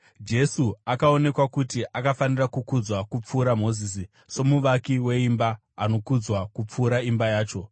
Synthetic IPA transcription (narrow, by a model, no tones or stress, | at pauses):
d͡ʒe̞suakao̞ne̞kwakutiʔakafanirakukud͡zwakup͡fuːɾamo̞zisi | so̞muʋakiwe̞imbaː | no̞kud͡zwakup͡fuːɾaimbajaːt͡ʃo̞